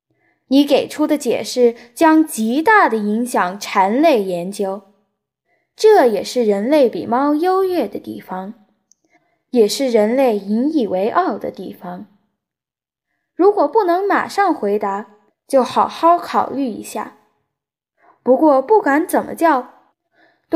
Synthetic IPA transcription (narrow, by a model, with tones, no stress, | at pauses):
ni˧˥ke˨˩ɪʈ͡ʂʰu˥d̪ə˨t͡ɕjɛ̰˨˩ʂɻ̩˥˩t͡ɕjɑ˥ŋt͡ɕi˧˥t̪a˥˩d̪ə˩i˧˥ŋɕjɑ˨˩ŋʈ͡ʂʰa˧˥nle˥˩ɪjɛ˧˥nt͡ɕjo˥ʊ | ʈ͡ʂɤ˥˩jɛ˨˩ʂɻ̩˥˩ɻə˧˥nle˥˩ɪpḭ˨˩mɑ˥ʊjo˥ʊjɥɛ˥˩d̪ə˩t̪ḭ˥˩fɑ˧˩ŋ | jɛ˨˩ʂɻ̩˥˩ɻə˧˥nle˥˩ɪi˧˥ni˨˩we˧˥ɪʔɑ˥˩ʊd̪ə̰˩t̪i˥˩fɑ˩ŋ | ɻu˧˥kwɔ˨˩pu˥˩nɤ˧˥ŋma̰˨˩ʂɑ˥˩ŋxwe˧˥ɪt̪a˧˥ | t͡ɕjo˥˩ʊxɑ˨˩ʊxɑ˥˩ʊkʰɑ˨˩ʊly˥˩ḭ˧˥ɕja̰˥˩ | pu˧˥kwɔ˥˧pu˥˩ka˧˥nt͡sə˨˩nmʔə̰˦t͡ɕjɑ˥˧ʊ